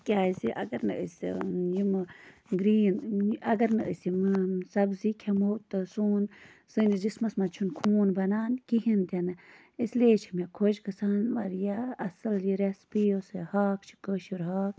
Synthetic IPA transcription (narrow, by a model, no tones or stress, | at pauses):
kʲaːjsiʔɐ̰ɡɐɾnɨ̰ʔə̰sjimɨɡɾiːnɐɡɐɾnɨʔəsjimɨsɐbzikʲʰɛmot̪ɨsuːn | sɨnid͡ʒismɐsmat͡ʃʰunkʰuːnbɐnaːnkiɦint̪ʲanɨ | isleːt͡ʃʰimakʰod͡ʒkɨsaːnʋaɾjaɐsɨljiɾespijosɨhaːkt͡ʃʰi̥kəʃuɾɦaːk